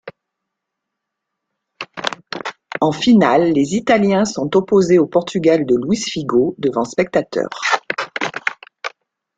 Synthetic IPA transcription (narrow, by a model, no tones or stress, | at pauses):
ɑ̃finalːezit̪aljɛ̃sɔ̃t̪ɔpozeopɔʁt̪yɡald̪əlwisfiɡod̪əvɑ̃spɛk̚t̪at̪œ̰ːʁ